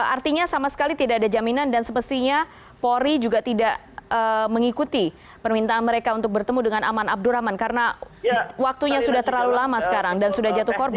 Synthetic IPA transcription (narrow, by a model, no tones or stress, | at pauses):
art̪iɲasamasə̥kalit̪idakadad͡ʒaminandansəpəst̪iɲa | poɾid͡ʒuɡat̪idaʔ | əməŋikut̪i | pərmint̪aːnməɾekaunt̪ʊk̚bərt̪əmudəŋanamanab̚dʊɾamankaɾəna | wak̚t̪uɲasudaht̪ərlalulamasə̥kaɾaŋdansudahd͡ʒat̪ʊhkorba